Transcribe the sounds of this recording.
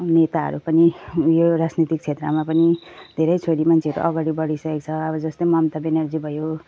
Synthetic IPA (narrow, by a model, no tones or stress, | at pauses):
net̪aɦʌ̰ɾupʌnijoɾad͡znit̪ik̚t͡sʰet̪rʌmapʌnid̪ʱeɾʌjt͡sʰoɽimant͡sʰeʌɾṵʔʌɡaɽibʌɽisʌkek̚t͡sʰʌʌbʌd͡zʌst̪ʌjmʌmt̪ʌbenʌrd͡zibʱʌjo